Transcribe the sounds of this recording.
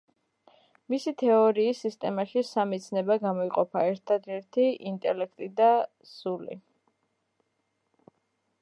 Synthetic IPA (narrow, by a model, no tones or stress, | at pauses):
misit̪ʰɛɔɾiːsːist̪ʼɛmaʃisamɛt̪sʰnɛbaɡamɔiqʼɔpʰaɛɾt̪ʰad̪ɛɾt̪ʰiint̪ʼɛlɛkʰt̪ʼid̪a | sulḭ